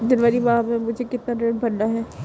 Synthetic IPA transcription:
d̪ɪnʋaːɾiʋaːɦmẽmʊd͡ʒʱekɪt̪naɾeːɖbʱɐɽnaɦɛː

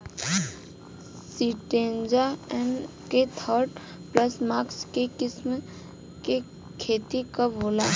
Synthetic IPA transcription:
siʈẽːnd͡ʒaɛn | ket̪ʰəɾɖ | pləsmaːkskekɪsm | ke | kʰeːt̪ikəbʱoːlaː

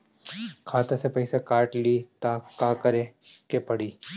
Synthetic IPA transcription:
kʰaːt̪ẽsepɐɪsekaːɾʈlit̪aːkaːkɐɾẽkepɐɽiː

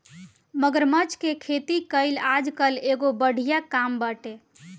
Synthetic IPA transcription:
məɡəɾmət͡ʃkekʰet̪ikəɪlad͡ʒkəleɡobəɽ̤ʱijakambaʈe

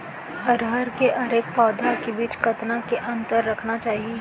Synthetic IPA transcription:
ɐɾɦəɾkeʔɐɾeːk̚paːd̪ʱakebiːt͡ʃkɐt̪nakeʔɐ̃nt̪əɾːɐkʰnat͡ʃaːɦieː

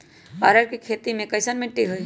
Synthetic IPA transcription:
baːɾəɾkikʰeːt̪imẽkɐɪsənmɪ̃ʈiɦui

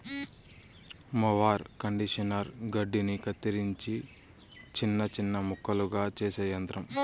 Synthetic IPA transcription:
mɐʋaːɾkɐɳɖiʃɐnɐɾɡɐɖːinikɐt̪ːiɾiɲt͡ʃi | t͡ʃinːɐt͡ʃinːɐmukʰːɐluɡaːt͡ʃeːseːjɐnt̪ɾɐm

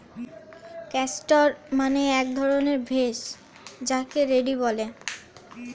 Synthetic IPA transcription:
kɛsʈoɾmaneɛk̚d̪ʱɔɾoneɾbʱeʃ | d͡ʑakeɾeɖibɔle

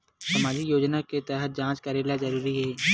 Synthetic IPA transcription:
sɐmaːd͡ʒijoːd͡ʒnaket̪ɛɦət̪̚d͡ʒãːt͡ʃkɐɾeːlazɐɾuːɾiɦɛː

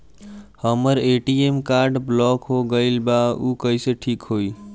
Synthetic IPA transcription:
həməɾeʈiemkaɾɖblɔkɦoɡəɪlbaukəiseʈʰikɦoi

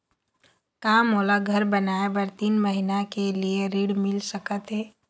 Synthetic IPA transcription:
kaːmoːlaɡʱəɾbənaːebəɾt̪iːnməɦinakelieɾiːɽmɪlsəkət̪ɦɛː

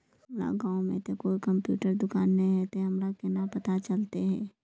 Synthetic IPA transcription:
hɐmɾa̰ɡãːõmḛ̃t̪okoːikɐmpjṵːʈəɾd̪ʊkaːnːɐɦĩɦɛt̪eɦɐmɾakɛnapɐt̪at͡ʃɐlt̪eɦɛː

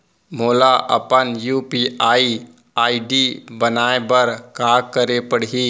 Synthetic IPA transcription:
moːlaʔə̰pənjuːpiːaːi | aːiɖibənaːebəɾkaːkəɾepəɽɦi

